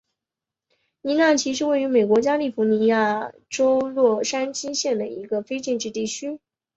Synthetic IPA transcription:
ni˧˥na˥˩t͡ɕʰi˧˥ʂ̬ɻ̩˥we˥˩ɪy˧˥me˨˩ɪkwɔ˧˥t͡ɕja˥li˥˩fu˧˥ni˧˥ja˥˩ʈ͡ʂo˥ʊlwɔ˥˩ʂa˥nt͡ɕi˥nɕjɛ˥˩nd̪ə˩i˧˥ɡə˧fe˥ɪt͡ɕɛ˥˧nʈ͡ʂɻ̩˥˧t̪i˥˩t͡ɕʰy˥

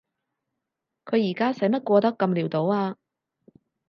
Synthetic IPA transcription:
kʰɵ˨˧ɥjiː˨˩kaː˥sɐ˨˥jmɐ˥t̚kʷɔː˧t̪ɐ˥kːɐ˧mliː˨˩wt̪o˨˥waː˧

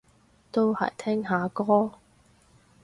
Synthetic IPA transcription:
t̪o˥whɐ̰˨˩jt̪ʰɛː˥ŋɦaː˨˧kɔː˥

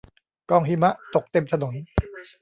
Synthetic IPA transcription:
kɔː˧˩ŋɦi˦˥ma˦˥ʔt̪o˨˩k̚t̪e˧mt̪ʰa˧no˩˦n

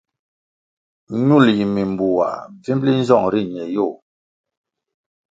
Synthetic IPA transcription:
ɲu˦˨lji˨mi˨mbu˨wa̰˨vi˦mli˦n̩˦zɔ˦˨ŋɾi˦˨ɲɛ˨jo˦˨

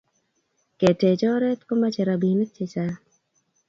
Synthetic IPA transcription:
ke˨te˨t͡ʃɔ˦ɾɛ˦t̪ko˦ma˦t͡ʃɛ˨ɾa˨bi˨ne˦t͡ʃe˦t͡ʃa˦

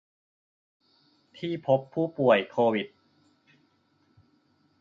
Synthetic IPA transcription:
t̪ʰiː˥˩pʰo˦˥pʰːuː˥˩pu˨˩əjkʰoː˧wi˨˩t̪̚

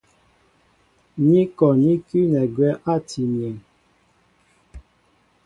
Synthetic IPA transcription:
ɲi˦kɔ˨ɲi˦ky˦nɛ˨ɡwɛ˦ʔa˦˨tʰi˨mjɛ˨n

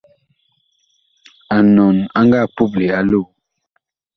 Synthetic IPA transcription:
a˨nɔ˨na˦ŋɡa˦˨pu˦˨p̬̚le˨a˦lo˦˨

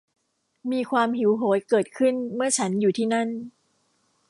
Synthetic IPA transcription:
miː˧kʰwaː˧mɦi˩˦wɦoː˩˦jkɤː˨˩t̪̚kʰɯ˥˩nmɯ˥˩ɐt͡ɕʰa˦˥njuː˨˩t̪ʰiː˥˩na˥˩n

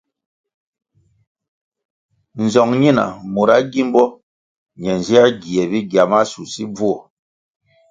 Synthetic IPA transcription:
n̩˨zɔ˨ŋɲi˦na̰˨mo˨ɾa˨˦ɡi˦m˦bɔ˦ | ɲɛ˨n˨zɛ˦a˦ɡi˨ɛ˨bi˦ɡa˨ma˦su˨si˦b͡vu˦ɔ˨

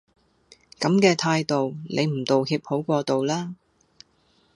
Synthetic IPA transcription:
kɐ˨˥mkɛː˧t̪ʰaː˧jt̪o˨wlʔe˨˧jm̩˨˩t̪o˨whiː˧p̚ho˨˥wkʷɔː˧t̪o˨wlaː˥

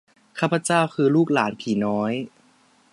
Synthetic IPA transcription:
kʰaː˥˩pʰːa˧t͡ɕa˥˩wkʰɯː˧luː˥˩k̚laː˩˦npʰiː˩˦nɔː˦˥j

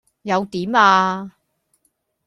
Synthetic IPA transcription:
jɐ˨˧wt̪iː˨˥maː˧

